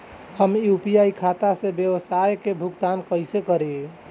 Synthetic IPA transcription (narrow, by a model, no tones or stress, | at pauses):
həmjupijaikʰat̪asẽbjewəsajkebʱuɡt̪ankəjsekəɾee